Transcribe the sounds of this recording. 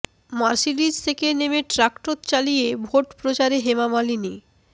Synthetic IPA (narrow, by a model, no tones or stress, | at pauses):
maɾʃilid͡ʑt̪ʰekenemeʈɾakʈot̪t͡ɕalijebʱoʈpɾot͡ɕaɾeɦemamalini